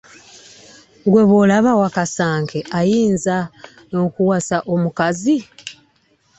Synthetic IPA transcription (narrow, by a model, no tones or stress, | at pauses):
ŋɡwe̞βolaβawakasaːŋkʰeʔajiːnza | no̞kuwasaʔo̞mukazi